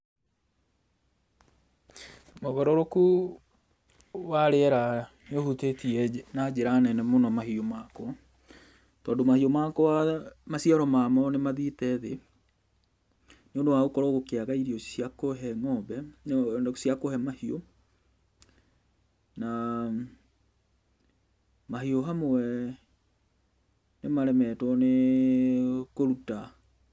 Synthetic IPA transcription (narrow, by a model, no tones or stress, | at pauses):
moɣɛɾɔɾoku | waɾeɛɾa | neohutetiɛnad͡ʑeɾanɛnɛmonɔmahiomakwɔ | tɔːndomahiomakɔwamasiaɾɔmamɔnemaðitɛðe | neondowaɣokɔɾɔɣokeaɣaiɾiɔiakoɦɛmɔbɛnsiakohɛmahio | na | mahioɦamowɛ | nemaɾɛmɛtɔne | koɾuta